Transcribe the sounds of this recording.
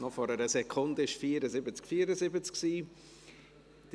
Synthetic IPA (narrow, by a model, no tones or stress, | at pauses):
nɔfɔɾəɾəsɛkʰʊndəɪʃfiːəɾəzɪbət͡skfiːəɾəzɪbət͡sksiː | d̥